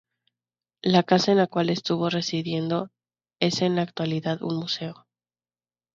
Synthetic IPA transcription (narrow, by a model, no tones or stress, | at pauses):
lakasaenlakwale̞st̪uβ̞o̞re̞siðje̞nd̪o̞ | e̞se̞nlaːk̚t̪waliðaðṵnmuse̞o